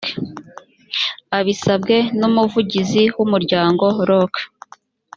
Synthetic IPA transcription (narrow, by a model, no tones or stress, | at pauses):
aβisabɡe̞numuvuɟiziwumuɾɟaːŋɡo̞ɾokḁ